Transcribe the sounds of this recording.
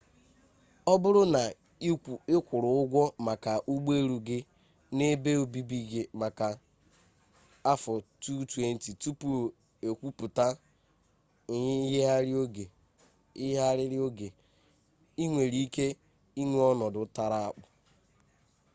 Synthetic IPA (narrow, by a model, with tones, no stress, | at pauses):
ɔ˦bʊ˦ɾʊ˦na˨˦˨ | ɪ˦kʷʊ˨ɾʊ˨ʊ˦ɡʷɔ˦ma˨ka˨ʔu˦ɡ͡be˦ɾu˨ɡɪ˦ | ne˦be˦o˨bi˦bi˦ɡe˨ma˨ka˨ | a˦fɔ˨tu˦twe˦n̩˨˦ti˨tu˦pu˨ | e˨kʷu˦pu˨ta˦˨ | ɲɪ˦ɦɪ˦ɦa˦ɾɪ˦o˦ɡe˨ | ɪ˦ɦa˦ɾɪ˦ɾɪ˦o˦ɡe˨ | i˦ŋʷe˨ɾi˦ke˦ | i˦ŋʷe˦ɔ˦nɔ˨dʊ˨˦ta˦ɾa˦a˦˨k͡pʊ˨